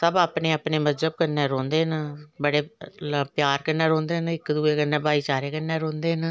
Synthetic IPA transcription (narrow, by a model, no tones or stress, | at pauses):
səbaːpneːaːpneːməzd͡ʒəb̚kəɾneːɾɔ̃ːnd̪eːnbəɽeːpjaːɾkənːeːɾõːnd̪eːɦnɪkd̪uːeːkənːẽːbaːiːt͡ʃaːɾeːkənːeːɾõːnd̪eːɦn